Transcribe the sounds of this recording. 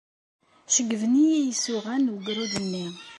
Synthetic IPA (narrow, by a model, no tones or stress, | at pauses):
ʃəɡːəvnijijisuʁænwəɡɾud̪ənːi